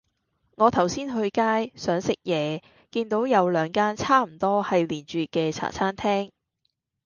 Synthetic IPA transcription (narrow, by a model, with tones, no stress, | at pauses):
ŋɔː˨˧t̪ʰɐ˨˩wsiː˥nɦɵ˧ɥkaː˥jsœː˨˥ŋsɪ˨k̚jɛː˨˧ | kiː˧nt̪o˨˥wjɐ˨˧wlœː˨˧ŋkaː˥nt͡sʰaː˥m̩˨˩t̪ɔː˥hɐ˨jliː˨˩nt͡ʃyː˨kɛː˧t͡sʰa̰ː˨˩t͡sʰaː˥nt̪ʰɛː˥ŋ